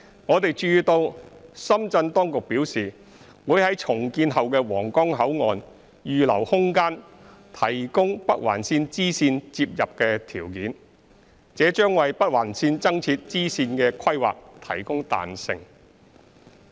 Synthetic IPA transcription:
ŋɔː˨˧t̪e˨jt͡ʃyː˧t̪o˧wsɐ˥mt͡sɐ˧nt̪ɔː˥ŋkʊ˨k̚piː˨˥wsiː˨˩ | wuː˨˥jhɐ˨˥jt͡sʰʊ˨˩ŋkiː˧nɦɐ˨wkɛː˧wɔː˨˩ŋkɔː˥ŋɦɐ˨˥wŋɔ̰ː˨˧n | jyː˨lɐ̰˨˩whʊ˥ŋkaː˥n | t̪ʰɐ˨˩jkʊ˥ŋpɐ˥k̚wa̰ː˨˩nsiː˧nt͡siː˥siː˧nt͡siː˧p̚jɐ˨p̚kɛː˧t̪ʰiː˨˩wkiː˨˥n | t͡sɛː˨˥t͡ʃœː˥ŋwɐ˨jpɐ˥t̚waː˨˩nsiː˧nt͡sɐ˥ŋt͡sʰiː˧t̚t͡siː˥siː˧nkɛː˧kʰɐ˥jwa̰ː˨k̚t̪ʰɐ˨˩jkʊ˥ŋt̪a̰ː˨nsɪ̰˨ŋ

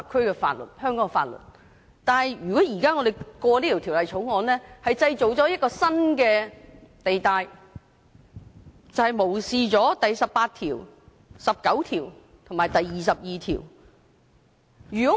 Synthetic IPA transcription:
kʰɵ˥ɥkɛː˧fa̰ː˧t̚lə̰˨t̚hœː˥ŋkɔː˨˥ŋfa̰ː˧t̚lɵ̰˨t̚ | t̪aː˨˧nhɐ˨jjyː˨kɔː˨˥jiː˨˩kaː˥ŋɔː˨˧d̪e˨˩jkɔː˧liː˥t̪i˨˩t̪ʰiː˨˩wlɐ˨jt͡sʰo˨˥wŋɔː˨˧nlɛː˥hɐ˨jt͡sɐ˧jt͡so˨˩wt͡sɔː˨˥jɐ˥t̚kɔː˧sɐ˥nkɛː˧t̪e˨jt̪aː˨˧j | t͡sɐ˨˧whɐ˨jmo˨˩wsiː˧t͡sɔː˨˥t̪ɐ˨jsɐ˨p̚paː˧t̚t̪ʰiː˨˩w | sɐ˨p̚kɐ˨˥wt̪ʰiː˨˩w | t̪ʰʊ˨˩maː˨jt̪ɐ˨jiː˨˩sɐ˨p̚jiː˨˧t̪ʰḭː˨˩w | jyː˨˩kɔː˨˥

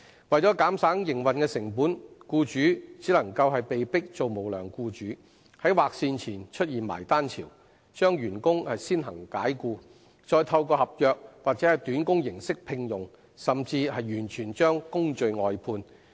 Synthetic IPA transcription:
wɐ˨jt͡ʃɔː˨˥kaː˨˥msaː˨˥ŋjɪ˨˩ŋwɐ˨nkɛː˧sɪ˨˩ŋpuː˨˥nkuː˧t͡ʃyː˨˥t͡siː˨˥lɐ˨˩ŋkɐ˧whɐ˨jpe˨jpɪ˥k̚t͡so˨wmo˨˩wlœː˨˩ŋkuː˧t͡ʃyː˨˥ | hɐ˨˥jwaː˨k̚siː˧nt͡sʰiː˨˩nt͡ʃʰɵ˥t̚jiː˨nma̰ː˨˩jt̪aː˥nt͡sʰḭː˨˩w | t͡ʃœː˥ŋjyː˨˩nkʊ˥ŋhɐ˨jsiː˥nɦɐ˨˩ŋkaː˨˥jkuː˧ | t͡ʃɔː˧jt̪ʰɐ˧wkɔː˧hɐ˨p̚jœː˨˧k̚waː˨˩k̚t͡sɛː˨˥hɐ˨jt̪yː˨˥nkʊ˥ŋjɪ˨˩ŋsɪ˥k̚pʰɪ˧ŋjʊ˨ŋ | sɐ˨˩mt͡siː˧hɐ˨jjyː˨˩nt͡ʃʰyː˨˩nt͡ʃœː˥ŋkʊ˥ŋt͡ʃɵ˨˧ɥŋɔː˨˧jpʰuː˧n

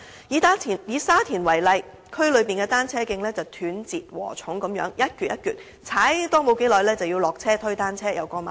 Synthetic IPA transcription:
jiː˨˧t̪aː˥iː˨˩njiː˨˧saː˥t̪ʰiː˨˩nwɐ˨˩jlɐ˨˧j | kʰɵ˥ɥlɵ˨˧ɥpiː˨nkɛː˧t̪aː˥nt͡sʰɛː˥kɪ˧ŋlɛː˥t͡sɐ˨wt̪ʰyː˨˥nt͡siː˨t̚wɔ̰ː˨˩t͡sʰʊ˨˥ŋkɐ˨˥mjœ̰ː˨˥ŋjɐ˥t̚kyː˨t̚jɐ˥t̚kyː˨˩t̚ | t͡sʰaː˨˥jt̪ɔː˥mo˨˧wke˨˥jlɔː˨jlɛː˥t͡sɐ˨wjiː˧wlɔː˨˩k̚t͡sʰɛː˥t̪ʰɵ˥ɥt̪aː˥nt͡sʰɛː˥jɐ̰˨˧wkɔː˧maː˨˩

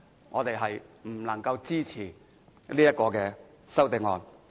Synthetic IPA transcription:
ŋɔː˨˧t̪e˨jɦɐ˨jm̩˨˩lɐ˨˩ŋkɐ˧wt͡siː˥t͡sʰiː˨˩ | liː˥jɐ˥t̚kɔː˧kɛː˧ | sɐ˥wt̪ɪ˨˧ŋɔː˨˧n

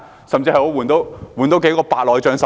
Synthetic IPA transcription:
sɐ˨mt͡siː˧hɐ˨jho˨˥wuː˨˩nt̪o˨˥wwuː˨˩nt̪o˨˥wke˨˥jkɔː˧paː˨˧t̚lɔː˨˧jt͡ʃœː˨˥ŋsɐ˨

